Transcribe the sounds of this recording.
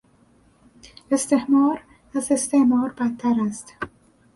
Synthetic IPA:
e̞st̪ʰe̞hmɒːɾ | æze̞st̪ʰehmɒːɾbæt̪ʰːæɾæst̪

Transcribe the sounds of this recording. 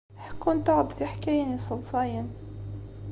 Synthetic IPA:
ħkunt̪ɑʕd̪ˤfiħkæjænisˤəlsˤɑjən

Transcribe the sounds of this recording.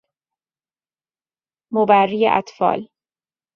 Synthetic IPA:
mobærːiːjḛʔæ̰t̪fɒ̰ːl

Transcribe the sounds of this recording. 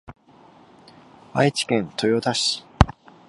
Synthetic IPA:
βait͡ɕi̥kẽ̞nt̪o̞jo̞d̪aɕi̥

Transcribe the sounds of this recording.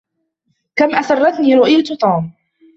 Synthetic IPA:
kamʔaθɑrˤːɑt̪niːɾʊʔɪjat̪ʊt̪ˤuːm

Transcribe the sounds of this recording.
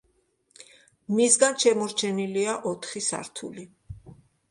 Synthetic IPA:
misɡanʃɛmɔɾt͡ʃʰɛniliaʔɔt̪ʰχisa̰ɾt̪ʰṵli

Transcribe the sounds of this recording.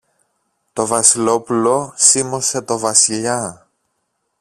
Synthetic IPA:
t̪o̞vɐsilo̞pulo̞simo̞se̞t̪o̞vɐsiʎɐ

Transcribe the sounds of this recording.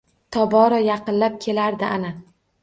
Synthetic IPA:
t̪ʰɒbɒɾɒjɑqɨnlap̚kʲʰe̞laɾd̪ɪʔana

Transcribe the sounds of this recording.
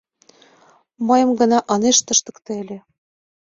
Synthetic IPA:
mɤjɤ̆mɡɤ̆nɑʔɤneʃt̪ɤ̆ʃt̪ɤ̆kt̪elʲĕ

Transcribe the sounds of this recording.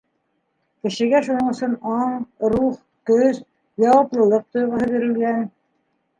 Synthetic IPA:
kɘ̆ʃɘ̆ɡæʃunɤɴɵ̆sɵnɑɴɾuχ | t̪ɵz | jɑwɑplˠɤ̆lˠɤq̚t̪ŏjʁɤ̆ɦɤβiɾɘ̆lɡæn

